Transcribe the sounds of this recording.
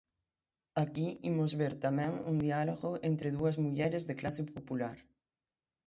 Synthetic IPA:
akiimozβeɾt̪amɛ̃ŋuŋd̪ialoɣoent̪ɾeðuɐzmuʎɛɾezðeklasepopulaɾ

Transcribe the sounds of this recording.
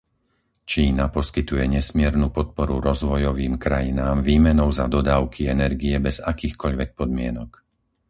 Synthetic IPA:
t͡ʃiːnapɔskit̪ujɛɲɛsmɪɛɾnuːpɔt̪̚pɔɾuɾɔzʋɔjɔʋiːmkɾajinaːmʋiːmɛnɔʊzad̪ɔd̪aːʊkʰiɛnɛɾɡiɛbɛz̥akiːxkɔʎʋɛk̚pɔd̪mɪɛnɔk

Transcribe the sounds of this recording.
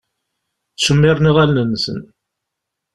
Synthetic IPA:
θsəmːɪɾˤniʁælnənːsə̰n

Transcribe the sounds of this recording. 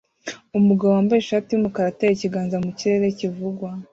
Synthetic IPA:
umuɡaβoaːmbajeʃaːtijumukaɾatejiciɡaːnzamuciɾe̞ɾe̞civuɡwa

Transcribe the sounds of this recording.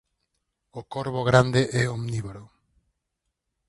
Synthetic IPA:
okoɾβoɣɾand̪eʔɛomniβɾo

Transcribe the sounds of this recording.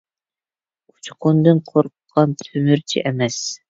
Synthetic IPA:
u̥t͡ʃʰqʰʊnd̪ɨnqʰoɾqʰqʰːɑnt̪ʰymyɾt͡ʃʰḭʔɛmɛs

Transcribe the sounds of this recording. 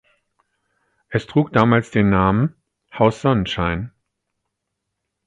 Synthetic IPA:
ʔɛstʁ̥uːk̚d̥aːmaːlsd̥eːnːaːmən | haʊsz̥ɔnənʃaɪn

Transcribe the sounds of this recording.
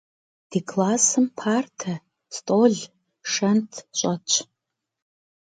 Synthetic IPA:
d̥iːkʰlˠaːsɨmpʰaːrtʰɐ | stʰʼoːɮ | ʂɐntʰɕʼɐt͡ʃʰʼ

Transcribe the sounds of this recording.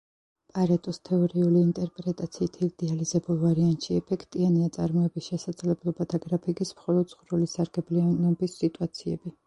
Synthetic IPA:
pʼaɾat̪ʼɔst̪ʰɛɔɾiuliːnt̪ʼɛɾpʼɾɛt̪ʼat̪sʰiːt̪ʰiɾid̪̥ɛalizɛbulˠvaɾiant̪ʼʃiɛpʰɛkʰt̪ʼianiat̪sʼaɾmɔɛbisʃɛsad̪zlɛblˠɔbat̪ʰaɡɾapʰikʼismχɔlˠɔd̪sʼχvɾulisaɾɡɛblianɔbisːit̪ʼuat̪sʰiɛbi

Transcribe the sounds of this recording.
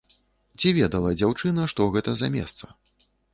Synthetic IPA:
t͡sʲivʲɛd̪ɐlˠɐd͡zʲawt͡ʂɨnɐʂt̪ɔɣɛt̪ɐzɐmʲɛ̰st̪sɐ

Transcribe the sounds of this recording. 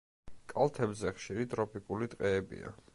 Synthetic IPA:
kʼalˠt̪ʰɛbzɛχʃiɾit̪ʼɾɔpʰikʼulit̪ʼqʼɛːbḭa̰

